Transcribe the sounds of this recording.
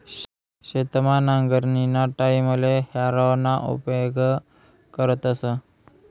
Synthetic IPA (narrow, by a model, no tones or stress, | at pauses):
ɕet̪manaŋɡəɾninaʈaimulehaɾawnaʔṵpjoɡ | kəɾət̪əsə